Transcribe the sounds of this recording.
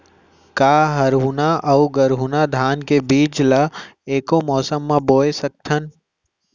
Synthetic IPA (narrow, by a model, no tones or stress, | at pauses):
kaːɦɐɾɦunaʔɐuɡəɾɦunad̪ʱaːnkebiːt͡ʃlaeːkomɔːsəmːãboːesɐk̚t̪ʰən